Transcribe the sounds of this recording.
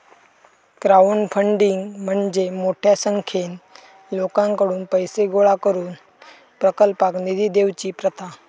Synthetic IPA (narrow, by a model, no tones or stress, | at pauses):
kɾauɳfʰəɳɖiŋɡm̤əɳd͡ʑemoʈʰjasəŋkʰen | lokãŋkəɽuːnpəjseɡoɭakəɾuːn | pɾəkəlpaknid̪iːd̪eʋt͡ɕiːpɾət̪ʰa